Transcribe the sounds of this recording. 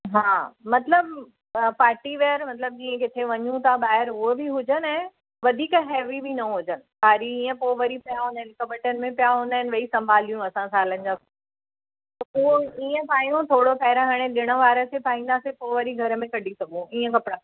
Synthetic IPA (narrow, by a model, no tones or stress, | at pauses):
ɦaːmɐt̪ləb | paːɾʈiʋeəɾmɐt̪ləb̚d͡ʑiːə̃kɪt̪ʰeʋɐɲũt̪ʰaɓaːɦɪɾʊɦobiɦʊd͡ʑənɛ̃ | ʋɐd̪ʱiːkɦɛːʋibinɐɦʊd͡ʑənɪ̆paːɾiiːə̃poʋɐɾipijaɦũːnd̪aɦɪ̃lɪkəbɪʈənɪ̆mẽpijaɦũːnd̪aːɦɪnʋɐisɐ̃mbʱaːlijũɐsãsaːlənɪ̆d͡ʑaː | uiːə̃paːjũt̪ʰoːɽopɛːɪɾəɦaːɽ̃ẽɗɪɽ̃ə̆ʋaːɾəsepʰaːĩːnd̪asepoːʋɐɾiɡʱɐɾəmẽkɐɗ̤ʱisɐɡũiːə̃kɐpɽã